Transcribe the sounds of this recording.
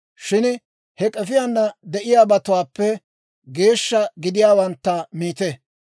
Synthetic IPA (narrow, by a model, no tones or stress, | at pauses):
ʃɪn | hɛkʼɛfɪjanːɐd̪ɛʔɪjaːbɐt̪ʊwaːpːɛ | ɡe̞ːʃːɐɡɪd̪ɪjaːwɐnt̪ːɐmiːt̪ɛ